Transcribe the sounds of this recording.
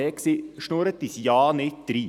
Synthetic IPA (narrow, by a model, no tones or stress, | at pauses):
ɛksiʃnoɾət̪isjɑːnɪt̪̚d̪̥ɾiː